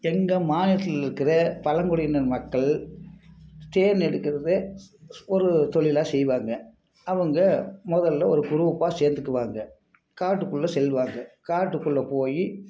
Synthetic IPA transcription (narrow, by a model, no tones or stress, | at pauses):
ɛŋɡɐmaːnɪɐt̪ːɪlɪɾɯkːɪrɐpɐlɐŋɡɔɽɪnɐɾmɐkːɐɭ | t̪eːɾnɛɽɯkːɪɾɐðɯ | ɔɾɯt̪ɔɭɪlaːsɛjʋaːŋɡɐ | ɐʋɐŋɡɐmɔðɐlːɐɔɾɯkʊɾɯʋpːaːseːɾnd̪ɯkːɯʋaːŋɡɐ | kaːʈːɯkːɯɭːɐsɛlʋaːŋɡɐkaːʈːɯkːɯɭːɐpoːji